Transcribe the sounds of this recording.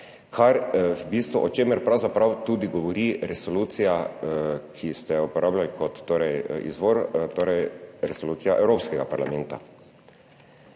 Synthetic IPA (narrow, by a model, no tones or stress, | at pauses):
kʰaɾbiːst̪ʋɔʔɔt͡ʃemɛɾpɾawzapɾawt̪uːd̪iɡɔʋɔɾiɾɛsɔluːt̪sija | kʰist̪ɛupɔɾʔaːbljalikɔt̪ːoːɾɛjḭzʋoɾt̪oːɾɛjɾɛsoluːsijaʔɛwɾoːpskɛɡapaɾlamɛnt̪a̰